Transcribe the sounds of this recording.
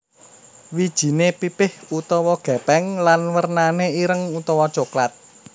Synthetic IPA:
wid̥ʒ̥i̤nepipɪhut̪ɔwɔɡ̥ɛ̤pɛŋlanwərnaneiɾəŋut̪ɔwɔt͡ʃoklat̪̚

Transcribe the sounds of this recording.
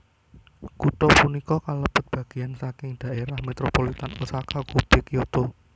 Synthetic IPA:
kut̪ɔpunikɔkaləb̥ə̤t̪̚b̥ä̤ɡ̥i̤jansakɪŋd̪̥a̤ʔeɾahmet̪ɾopolit̪anusakakub̥ekjot̪o

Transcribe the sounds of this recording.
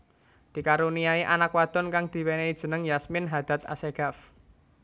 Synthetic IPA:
d̪̥i̤kaɾuniaiʔanakwad̪̥ɔnkaŋd̪̥i̤weneid̥ʒ̥ə̤nəŋjasmɪnɦad̪̥a̤t̪a̰seɡ̥a̤f

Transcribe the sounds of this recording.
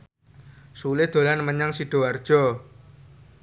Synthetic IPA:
sulɪhd̪̥o̤lanməɲaŋsiɖ̥o̤ard̥ʒ̥ɔ

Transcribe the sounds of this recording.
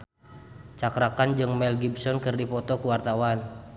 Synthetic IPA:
t͡ʃakɾakand͡ʒɨŋmɛlɡibsɔnkɨrdipɔt̪ɔkuwart̪awan

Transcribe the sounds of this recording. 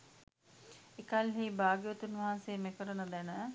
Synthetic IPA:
ekalɦiːbaːɡijət̪unʋɐɦanseːmekəɾənəd̪ɛnə

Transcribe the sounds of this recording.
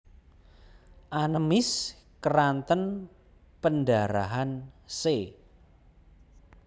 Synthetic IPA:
ʔanəmɪs | kərant̪ən | pəndaɾa̰ɦanse

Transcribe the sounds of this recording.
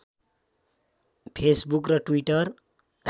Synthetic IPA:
pʰesbukrʌʈwiʈʌr

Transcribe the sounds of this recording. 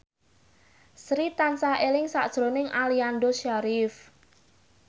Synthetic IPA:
sɾit̪ansaʔelɪŋsaʔd̥ʒ̥ɾo̤nɪŋʔaliand̪oʃaɾif

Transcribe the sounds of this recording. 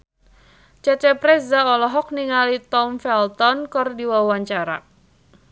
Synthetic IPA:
t͡ʃat͡ʃapɾɛsdaɔlɔɦɔk̚niŋalit̪ɔmfɛlt̪ɔnkɔrdiwawaɲt͡ʃaɾa̰

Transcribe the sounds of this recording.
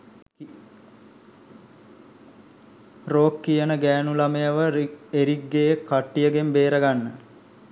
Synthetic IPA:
roːkːijənəɡæːnulamejəʋəeɾiɡːejekːaʈːijəɡembeːɾəɡanːə

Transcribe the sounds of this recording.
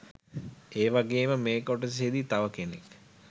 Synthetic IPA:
eːʋaɡeːməmeːkoʈəs̬ed̪it̪aʋəkenḛk

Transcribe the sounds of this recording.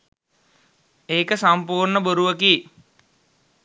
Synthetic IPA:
eːkəsampuːrɳəboɾuʋəkiː

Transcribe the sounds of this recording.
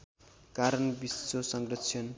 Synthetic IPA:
kaɾʌnbist͡sosʌŋɡrʌt͡sʰjʌn

